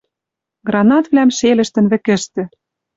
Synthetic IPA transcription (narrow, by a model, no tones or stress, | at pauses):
ɡrɑnɑt̪βlæmʃelɘ̆ʃt̪ɘ̆nβɘ̆kɘ̆ʃt̪ɘ̆